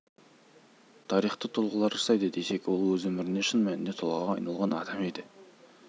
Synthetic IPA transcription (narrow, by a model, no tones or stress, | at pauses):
t̪ʰɑɾijχt̪ət̪ʰʊlˠʁəlˠɑɾəsɑjd̪əd̪e̞se̞kwolˠwɵzwɵmɪɾɪneʃənmænɪnd̪e̞t̪ʰʊlˠʁɑʁɑɑjnɑlˠʁɑnɑd̪ɑme̞d̪ɪ